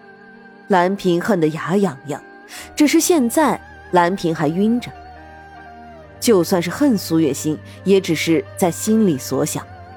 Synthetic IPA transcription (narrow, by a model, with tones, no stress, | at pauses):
la˧˥npʰi˧˥ŋxə˥˩nd̪ə˩ja˧˥jɑ˨˩ŋjɑ̰˥˩ŋ | ʈ͡ʂɻ̩˨˩ʂ̬ɻ̩˥˧ɕjɛ˥˧nt͡sa˥˩ɪ | la˧˥npʰi˧˥ŋxa˧˥ɪy˥nʈ͡ʂə˩ | t͡ɕjo˥˧ʊswa˥˧nʂɻ̩˥˩xə˥˩nsu˧˥ɥɛ˨˩ɕi˥n | jɛ˧˥ʈ͡ʂɻ̩˨˩ʂɻ̩˥˧t͡sa˥˩ɪɕi˥nli˨˩swɔ˧˥ɕjɑ̰˨˩˦ŋ